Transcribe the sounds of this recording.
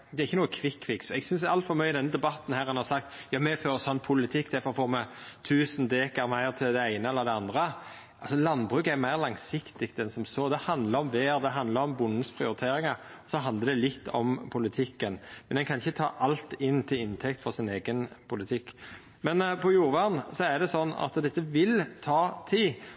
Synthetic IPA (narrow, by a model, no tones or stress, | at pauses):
d̪ɛɾɪçːənuːəkʰʋɪkʰːʋɪksɛɡsʏnsæɾɑlt̪fɔɾmœʏɪd̪ɛnːəd̪ɛbɑt̪n̩hæːɾɛnhɑʁsɑkt̪jɑːmɛføːɾsɔnpʰʊlɪt̪ʰɪkːd̪ɛfɔfɔːʁmɛt̪ʰʉːsnd̪eːkəɾmæɪʁt̪ʰɪld̪ɛæɪnəɛləd̪ɛɑnd̪ɾə | ɑlsɔlɑnːbʁʉːkæɾmæɪʁlɑŋsɪkt̪ɪɡt̪ɛnsɔmsoːd̪ɛhɑnd̪ləɾɔmʋeːɾd̪ɛɦɑnd̪ləɾɔmbʊnn̩spʰɾɪʊɾɪt̪ʰeːɾɪŋɑɔsɔɦɑnd̪əɾd̪ɛlɪt̪ːɔ̰mpʰʊlɪt̪ʰɪkːənmɛnɛnkʰɑnɪçːət̪ʰɑ̰ːʔɑlt̪ɪnːt̪ʰɪlɪnt̪ʰɛkt̪fɔʁsɪneːɡənpʰʊlɪt̪ʰɪkː | mɛnpʰɔjuːɾʋɑːʁn̩sɔæd̪ɛsɔnːɑ̰t̪d̪ɛt̪ːəʋɪlt̪ʰɑːt̪ʰiː